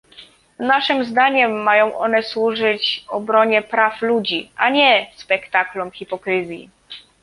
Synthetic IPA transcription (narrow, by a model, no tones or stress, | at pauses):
naʂɘmzd̪aɲɛmːajɔ̃w̃ʔɔnɛswuʐɘt͡ɕɔbɾɔɲɛpɾaflud͡ʑiʔaɲɛspɛkt̪aklumxʲipɔkɾɘzʲjḭ